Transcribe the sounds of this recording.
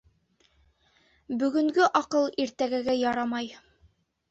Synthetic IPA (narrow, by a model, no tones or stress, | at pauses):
bɵ̆ɡɵ̆ŋɡɘʔɒqɤlˠiɾt̪æɡæɡæjɑɾɑmɑj